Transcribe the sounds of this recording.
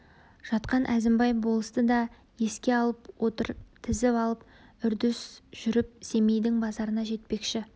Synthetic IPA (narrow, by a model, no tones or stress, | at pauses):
ʒ̥ɑt̪qɑnʔæzɪmbɑjbo̞lˠəst̪əd̪ɑ | je̞skʲe̞ɑlˠəpwot̪əɾt̪ʰɪzɪpɑlˠəp̚ | ʏɾd̪ɪsʒ̥ʏɾɪp̚se̞mejd̪ɪŋbɑzɑɾənɑʒe̞t̪̚pe̞kʃɪ